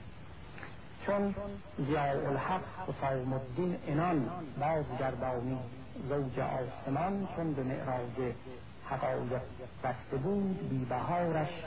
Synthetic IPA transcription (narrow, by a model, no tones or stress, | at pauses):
t͡ʃʰon | zijɑːʔolhaqhosɑːwmod̪ːinenɒnbɒːzɡæɾd̪ɒːmiːd̪ | zowd͡ʒḛʔɒːsemɒnt͡ʃʰonbemḛʔɾɑːd͡ʒe | haqɑːjeq | b̥æst̪ebuːd̪biːbæɦɑːɾæʃ